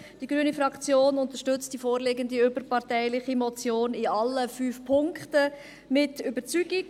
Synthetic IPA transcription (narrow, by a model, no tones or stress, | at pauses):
d̥iɡɾyənifɾɑkt͡sjoːnʊntəʃtʏt͡std̥ifoːɾleɡəndiʏbəɾpɑʁtɛɪlɪχimɔt͡sjoːnɪɑlːəfyːfpʰʊŋktə | mɪtʏbəɾt͡syɡ̥ɪk